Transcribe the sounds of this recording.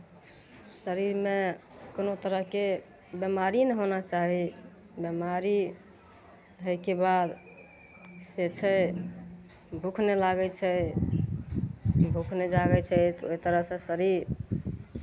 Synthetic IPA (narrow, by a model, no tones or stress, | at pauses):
səɾiɾme | konot̪əɾəɦke | bjemaɾinɛɦonat͡ʃaɦi | bjemaɾi | ɦəjkebad̪ | set͡ʃʰɛ | bʱukʰnelaɡət͡ʃʰɛ | bʱukʰned͡ʒaɡɛt͡ʃʰɛt̪ɔo̰it̪əɾəɦsẽsəɾiɾ